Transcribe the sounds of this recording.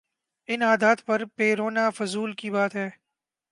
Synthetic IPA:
ɪnaːd̪aːt̪pɐɾpeːɾoːnaːfʊzuːlkibaːt̪ɦɛː

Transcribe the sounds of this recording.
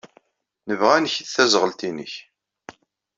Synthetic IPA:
nəvʁænəçiθθæzʁəlt̪inə̰ç

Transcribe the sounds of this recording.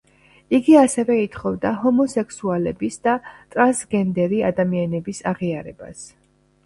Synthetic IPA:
iɡiasɛvɛit̪ʰχɔvd̪aɦɔmɔsɛkʰsualɛbisd̪at̪ʼɾansɡɛnd̪ɛɾiad̪amianɛbisaʁiaɾɛba̰s

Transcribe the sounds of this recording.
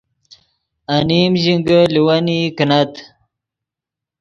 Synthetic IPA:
animʑiŋɡəliwanikinat̪

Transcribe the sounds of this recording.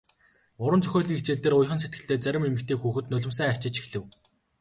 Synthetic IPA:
ʊɾə̆nt͡sœ̥xʲoːɮĭŋit͡ɕeːɮt̪eːɾʊjχə̆ns̬et̪̚ɡɘ̆ɬt̪eːt͡sæɾʲɪ̆memɘ̆kt̪eːxuːxɘ̆t̪nɵɮʲɪ̆msæːæ̥t͡ɕɪ̆t͡ɕi̥xɮɘ̆w

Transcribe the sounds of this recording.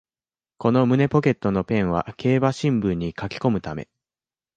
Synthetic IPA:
ko̞no̞mɯ̟ne̞po̞ke̞t̪ːo̞no̞pẽ̞ɰ̃βa̰ke̞ːbaɕĩmbɯ̟̃ɲ̟ːikakʲi̥ko̞mɯ̟t̪ame̞̰

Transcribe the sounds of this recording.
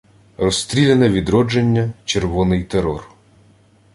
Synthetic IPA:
rɔst̪ɾʲilʲenɛʋʲid̪ɾɔd͡ʒenʲːɐt͡ʃerʋɔnɪjt̪eɾɔr

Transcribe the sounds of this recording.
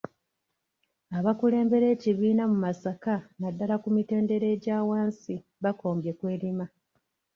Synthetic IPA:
aβakule̞ːmbe̞ɾe̞ːciβiːnamumasakanadːalakumite̞ːnde̞ɾe̞ːɟaːwaːnsi | βako̞ːmbje̞kwe̞ːɾima

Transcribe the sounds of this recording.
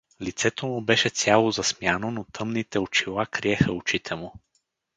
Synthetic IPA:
lit̪sɛt̪omʊbɛʃɛt̪sʲjalˠozɐsmjanonot̪ʰɤmnit̪ɛʊt͡ʃilˠakɾiɛxəʊt͡ʃit̪ʰɛmʊ

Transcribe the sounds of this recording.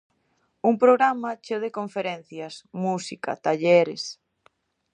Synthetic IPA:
uŋpɾoɣɾamat͡ʃewðekoɱfeɾɛn̟θjasmusika̰t̪aʎeɾes

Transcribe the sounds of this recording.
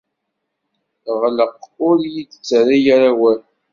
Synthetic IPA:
ʁləqʊɾjidt͡sːaɾijaɾawæl

